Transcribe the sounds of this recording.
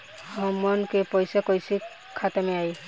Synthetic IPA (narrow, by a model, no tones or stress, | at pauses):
hɔmɔnkepɔjsakɔjsi | kʰːat̪amɛaj